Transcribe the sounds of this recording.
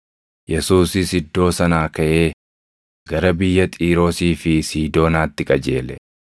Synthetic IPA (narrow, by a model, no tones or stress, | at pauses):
jɛsuːsɪsɪd̪ːo̞ːsɐnaːkɐʔe̞ː | ɡ̥ɐɾɐbɪjːɐt̪ʼiːɾo̞ːsiːfɪsiːd̪o̞ːnaːt̪ːɪkʼɐd͡ʒe̞ːlɛ